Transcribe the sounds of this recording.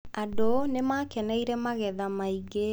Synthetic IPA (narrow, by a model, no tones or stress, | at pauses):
adonemakɛnɛiɾɛmaɣɛðamaiɡe